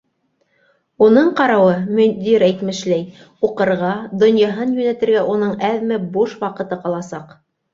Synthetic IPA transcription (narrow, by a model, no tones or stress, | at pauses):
unɤɴqɑɾɑwɤmɵ̆nd̪iɾæjt̪mɘ̆ʃlæj | uqɤ̆ɾʁɑd̪ŏnjɑɦɤnjʉnæt̪ɘ̆ɾɡæʔunɤɴæðmɘbuʃwɑqɤ̆t̪ɤqɑlˠɑsɑq